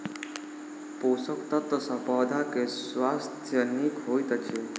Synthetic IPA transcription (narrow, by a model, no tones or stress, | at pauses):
posəkt̪ət̪əsəpawd̪akesʋast̪ʰjənːikɦojt̪ət͡ɕe